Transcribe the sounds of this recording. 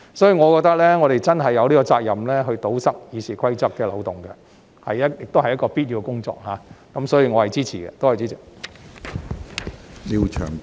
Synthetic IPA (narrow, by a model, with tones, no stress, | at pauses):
sɔː˨˥jiː˧ŋɔː˨˧kɔ˧k̚t̪ɐ˥k̚lɛː˥ŋɔː˨˧ɾe˨jt͡sɐ˥nɦɐ˨jːɐ˨˧wliː˥kɔ˧t͡saː˧k̚jɐ˨mlɛː˥ɦɵ˧ɥt̪o˨˥wsɐ˥k̚jiː˨˧sʰiː˨˩kʰʷɐ˥jt͡sɐ˥k̚kːɛː˧lɐ̰˨˧wt̪ʊ˨˩ŋɡɛ̰˧ | hɐ˨jɐ˥jɪ˨k̚t̪o˥whɐ˨jːɐ˥kɔː˧piː˥t̚jiː˨˧kʊ˥ŋt͡ʃɔ̰ː˧k̚haː˨˦kɐ˨˦msɔː˨˥jiː˧ŋɔː˨˧hɐ˨˩jt͡siː˥t͡sʰiː˨˩ɡɛ̰˧t̪o˥whɐ˨˩jt͡siː˥t͡sʰɪ˨ | liː˧wt͡ʃʰœ̰ː˨˩ŋ